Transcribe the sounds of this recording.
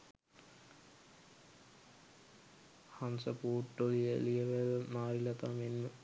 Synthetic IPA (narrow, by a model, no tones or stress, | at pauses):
hansəpuːʈːolijḛlijeʋəlmaːɾilɐt̪amenːu